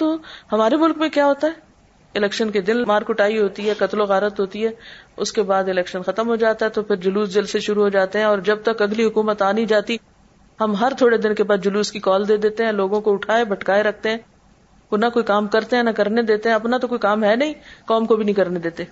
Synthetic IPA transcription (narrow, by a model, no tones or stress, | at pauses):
t̪oːɦɐmaːɾemʊlkmẽkjaːɦoːt̪aɦɛː | ɪlɛːkʃənked̪ɪnmaːɾkʊʈaːiɦoːt̪iɦɛːkɐt̪loɣaːɾət̪ɦoːt̪iɦɛːʊskebaːd̪ɪlɛːkʃənxɐt̪əmɦod͡ʒaːt̪aɦɛt̪opʰɪɾd͡ʒʊluːsd͡ʒɐlseʃʊɾuɦod͡ʒaːt̪eɦɛ̃ɔːɾd͡ʒɐb̚t̪ɐkɐɡliɦʊkuːmət̪aːnĩd͡ʒaːt̪i | hɐmɦɐɾt̪ʰoːɽed̪ɪnkebaːd̪̚d͡ʒʊluːskikɔːld̪eːd̪eːt̪eɦɛ̃loːɡõkoʊʈʰaːebɐʈkaːeɾɐk̚ʰt̪eɦɛ̃ː | onakoːikaːmkɐɾt̪eɦɛ̃ːnɐkɐɾned̪eːt̪eɦɛ̃ɐpnat̪okoːikaːmɦɛnɐɦĩːkɔːmkobʱinɐɦĩkɐɾned̪eːt̪e